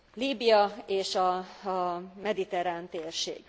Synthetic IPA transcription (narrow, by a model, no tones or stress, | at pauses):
liːbijɒeːʃɒ | mɛd̪it̪ɛɾaːnt̪eːrʃḛːɡ̥